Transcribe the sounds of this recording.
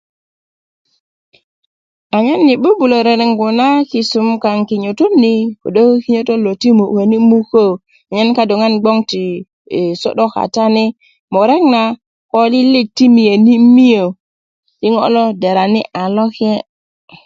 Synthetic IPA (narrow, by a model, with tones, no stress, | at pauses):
a˨ɲa˦nːi˨bu˦bu˨lo˨ɾe˨ɾe˨ŋɡu˨na˦ki˨su˨mka˨ŋki˨ɲu˨tu˦mni˨ko̰˨ɗo˦ki˦ɲo˦to˦lo˨ti˦mo˨we˨ni˦mu˦ko˦˨ | a˨ɲa˦nka˦do˨ŋa˦nɡ͡bo˦ŋti˨ | so̰˦ɗo˦ka̰˨ta˦ni˦ | mo˨ɾe˦kna˨ | ko˦li˦li˦k̚ti˦mi˨je˨ni˦mi˦jo˨ | ti˦ŋo̰˦lo˦de˨ɾa˨nḭ˦ʔa˨lo˦ke˦